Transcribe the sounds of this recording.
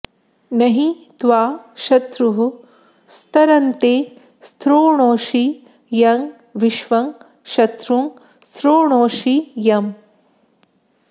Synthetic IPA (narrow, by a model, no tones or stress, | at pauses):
nɐɦi | t̪ʋaːʃɐt̪ɾuɦu | st̪ɐɾɐnt̪eː | st̪ɾoːɳoːʃi | jɐŋ | ʋiʃʋɐŋ | ʃɐt̪ɾuŋ | st̪ɾoːɳoːʃijɐm